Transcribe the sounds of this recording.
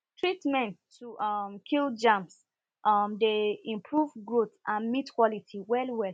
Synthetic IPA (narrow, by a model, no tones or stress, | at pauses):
tʰɹitmɛ̃ntʰuʔmkʰild͡ʒãms | ʔmdeĩmpʰɹuvɡɹotãnmitkwɔlitʰiwɛlwɛl